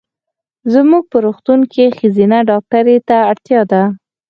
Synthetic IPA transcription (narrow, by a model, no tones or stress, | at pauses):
zəmuɡ̚pəɾoxt̪uŋkexəzinaɖɑk̚ʈaɾet̪aːɽt̪jɑd̪a